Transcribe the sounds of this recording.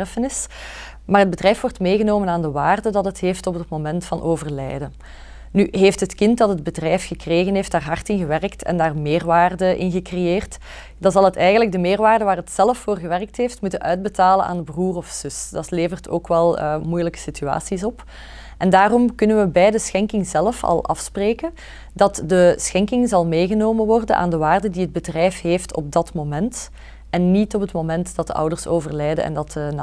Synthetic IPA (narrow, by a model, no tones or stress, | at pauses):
fənɪs | maːrɦəd̚bədrɛjfʋɔrtmeːɣənoːmənaːndəʋaːrdədɑtətɦeːftɔpətmomɛntfɑnʔoːvərlɛ̰jdə | nyɦeːftɦətkɪntdɑtɦəd̚bədrɛjfxəkreːɣənɦeːftd̥aːrɦɑrtɪnɣəʋɛrktʰɛ̰ndaːrmɪːrʋaːrdəʔɪ̰nɣəkrejeːrt | dɑnzɑlˠətɛjɣənləɡ̚dəmɪːrʋaːrdəʋaːrɦətsɛləfːoːrɣəʋɛrk̚tɦeːftmutənʔœɥd̚bətaːlənʔa̰ːndəbruːrɔfsʏsd̥ɑtleːvərtʰo̰ːkʋɛlˠəːmujələkə̥sitya̰ːsisɔp | ʔɛndaːrɔmkɵnənʋəbɛjdəsxɛŋkɪŋzɛlfɑ̰lˠʔɑ̰fspreːkən | dɑtdəsxɛŋkɪŋzɑlˠmeːɣənoːmənʋɔrdənʔa̰ːndəʋaːrdədiɦəd̚bədrɛjfɦeːftʰɔ̰b̚dɑtmoːmɛnt | ɛnːitɔpətmoːmɛntdɑt̚dəʔʌ̰wdərsoːvərlɛjdə̰nɛ̰ndɑtna